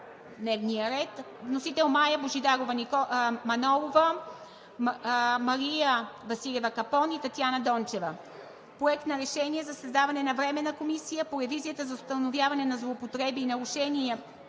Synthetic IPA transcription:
d̪nɛvnijəɾɛt̪ | vnosit̪ɛlˠmajəboʒid̪aɡovɐnikmɐnɔlˠovə | mɐɾijəvɐsilʲɛvɐkɐpɔnit̪ɐt̪janəd̪ɔnt͡ʃɛvə | pɾoɛk̚t̪nɐɾɛʃɛniɛzɐsɐzd̪avɐnɛnɐvɾɛmɛnəkomisijəpoɾɛvizijət̪əzɐʊst̪ənovʲjavɐnɛnɐzlˠoːpot̪ɾɛbiːnɐɾuʃɛniɛ

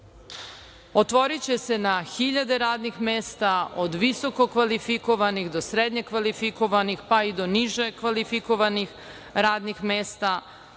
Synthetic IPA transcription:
ot̪ʋo̞ɾit͡ɕe̞se̞naxiʎad̪e̞ɾaːd̪nixmeːst̪aod̪ʋiso̞ko̞kʋalifiko̞ʋaniɣd̪o̞sɾed̪ɲekʋalifiko̞ʋanixpaid̪o̞niʒe̞kʋalifiko̞ʋanix | ɾaːd̪nixmeːst̪a

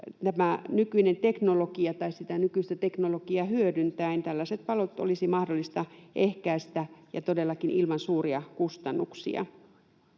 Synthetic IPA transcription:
t̪æmænykyinent̪eknolokiɑt̪ɑissit̪ænykyist̪æt̪eknolokiɑhyødynt̪æint̪ælːæset̪̚pɑlot̪o̰lisimɑhdolːist̪ɑʔehkæːst̪æjɑ̰t̪odelːɑkinʔilmɑnsuːriɑkust̪ɑnːuksḭɑ̰

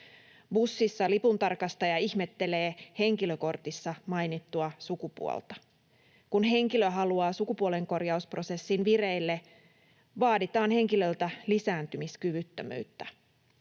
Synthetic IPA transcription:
busːisːɑlipunt̪ɑrkɑst̪ɑjɑiçmet̪ːe̞le̞ːhe̞ŋkiløko̞rt̪isːɑmɑjnit̪ːuɑsukupṵo̰lt̪ɑ̥ | kunɦe̞ŋkilø̞ɦɑluɑːsukupuole̞ŋko̞rjɑuspro̞se̞sːinʋireilːe | ʋɑːdit̪ɑːnhe̞ŋkilølt̪ælisæːnt̪ymiskyʋyt̪ːø̰my̰ːt̪ːæ

